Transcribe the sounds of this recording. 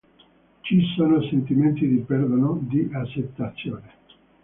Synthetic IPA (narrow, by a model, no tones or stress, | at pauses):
t͡ʃisoːnosent̪iment̪id̪ipeɾd̪onod̪iʔat͡ʃːet̪ːat̪sːjoːne